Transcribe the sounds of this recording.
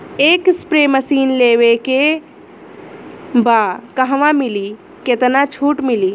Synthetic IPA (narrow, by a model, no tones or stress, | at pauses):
eːkspɾeməsiːnleːʋeke | bakəɦʋãmɪli | ket̪nat͡ʃʰuːʈmɪliː